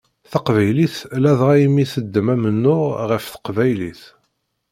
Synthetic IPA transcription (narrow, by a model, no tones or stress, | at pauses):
θɑqvæjliθlæðʁæjəmːiθəd̪ːəmæmənːʊʁʁəfθə̥qvæjliθ